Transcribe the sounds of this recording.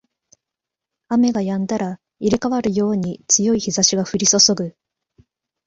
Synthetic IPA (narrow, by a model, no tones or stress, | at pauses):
ame̞ɡajãnd̪aɾa | iɾekaβaɾɯ̟jo̞ːɲ̟it͡sɨjo̞içizaɕiɡaɸɯ̟ɾʲiso̞so̞ɡɯ̟